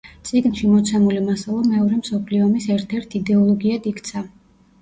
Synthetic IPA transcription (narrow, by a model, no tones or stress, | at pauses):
t̪sʼiɡnʃimɔt̪sʰɛmulimasalˠɔmɛɔɾɛmsɔpʰliɔmisɛɾt̪ʰɛɾt̪ʰid̪ɛɔlˠɔɡiad̪ikʰt̪sʰa